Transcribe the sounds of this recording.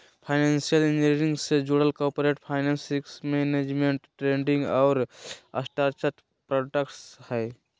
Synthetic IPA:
pʰaɪnensijəlened͡ʒĩŋɡsed͡ʒoɽəlkoɾpoɾeʈpʰaɪnensiksmened͡ʒmeɳʈːɾeɳɖĩŋɡɔʊɾə̰sʈaɾt͡ʃət̪ | pɾoɖəkʈshɛj

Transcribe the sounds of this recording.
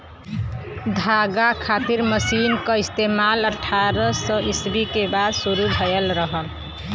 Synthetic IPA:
d̪ʱaɡakʰat̪iɾməsinkəist̪emaləʈʰːaɾəsəʔisbikebad̪suɾubʱəjəlɾəɦəl

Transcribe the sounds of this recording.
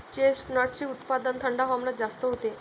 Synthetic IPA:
t͡ɕesnɔʈ̚t͡ɕiːut̪pad̪ənt̪ʰəɳɖaɦɔmnat̪d͡zast̪əɦot̪e

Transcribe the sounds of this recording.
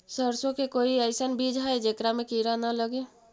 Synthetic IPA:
səɾsõkekoːiəɪsənbid͡ʒɦaed͡ʒekɾamẽkiɾanaləɡe

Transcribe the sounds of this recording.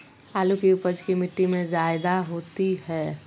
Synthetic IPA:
aːlukiʊpəd͡ʒkimɪʈːimẽd͡ʒaːɪd̪aɦoːt̪iɦɛː

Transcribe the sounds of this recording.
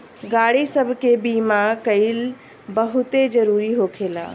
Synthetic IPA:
ɡaːɽisəbʱkebimakəɪl | bəɦʊt̪ed͡ʒəɾuɾiɦokʰela̰

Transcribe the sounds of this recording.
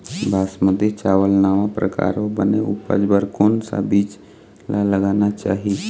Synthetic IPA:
bʱaːsməd̪et͡ʃaʋəlnaʋapɾəka̰ɾobəneṵpə̰d͡ʒbəɾkonsa̰biːt͡ʃ | lʔaləɡanat͡ʃa̰ːɦi

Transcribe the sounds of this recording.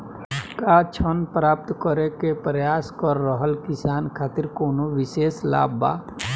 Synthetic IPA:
kat͡ʃʰənpɾaːp̚t̪kəɾekepɾjaːskəɾːəɦəlkɪsaːnkʰaːt̪ɪɾkoːnoʋɪseːsla̰ːba̰ː

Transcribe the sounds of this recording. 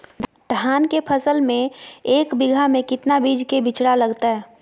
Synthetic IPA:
d̪ | d̪̥ʱaːnkepʰəsəlmẽeːkbɪɡʱamẽkɪt̪nabid͡ʒkebɪt͡ʃɽaləɡt̪aɦɛː

